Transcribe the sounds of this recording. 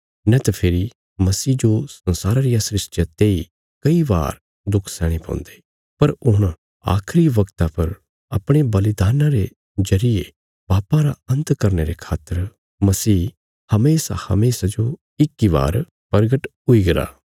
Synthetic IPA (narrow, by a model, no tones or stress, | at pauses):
nɛt̪apʰɪɾi | mɐsiːd͡ʒosɐ̃nsaːɾaɾijasɾɪsʈjat̪eːi | kɐiʋa̰ːɾ | d̪ʊkʰsɛːɽ̃ipã̰ːnd̪e | pɐɾʊɽ̃ | a̰ːkʰɾiʋɐkt̪apɐɾ | ɐpɽ̃ebɐlɪd̪aːnãɾe | zɐɾije | b̥aːpãɾa̰ɐ̃nt̪kɐɾneɾekʰaːt̪ːəɾ | mɐsiː | hɐmeːsa̰hɐ̰meːsad͡ʒo | ɪkːiʋa̰ːɾ | pɐɾɡəʈɦʊiɡɐɾa̰ː